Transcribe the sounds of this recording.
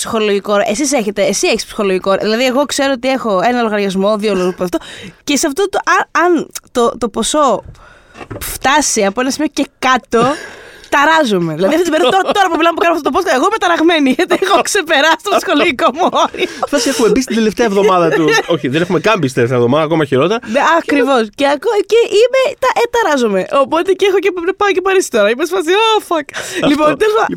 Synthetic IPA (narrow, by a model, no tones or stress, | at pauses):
psi̥xo̞lo̞ʝikoɾʔesis̬e̞çe̞t̪e̞ːsieçi̥spsi̥xo̞loʝikoɾ̰ðilɐðieɣo̞kse̞ɾoot̪ie̞xoe̞nɐloɣɐɾʝɐzmo̞ðioloɣpoɐft̪oce̞sɐft̪ot̪uʔɐɐnt̪ot̪o̞po̞so̞ | ft̪ɐsiɐpoenɐsimiocekɐt̪o̞t̪ɐɾɐzome̞ðilɐðiɐft̪it̪ibeɾiððɐt̪oɾɐt̪o̞ɾɐp̬umilɐmepukɐnmɐft̪ot̪posɐeɣoimet̪ɐɾɐɣme̞niʝet̪iɣokse̞pe̞ɾɐst̪ot̪sxolikomooɾift̪ɐsiexume̞bis̬t̪ind̪e̞left̪eɐvðo̞mɐðɐt̪uoçiðene̞xumekɐmbist̪esɐevðo̞mɐðɐːko̞mɐçiɾo̞t̪eɾɐeɐkɾivo̞sceɐkoceʔimet̪ɐʔt̪ɐɾɐzome̞ʔo̞po̞t̪ecexocepɐocepɐɾisi̥t̪o̞ɾɐimesfɐs̬iofɐklipont̪elizɐ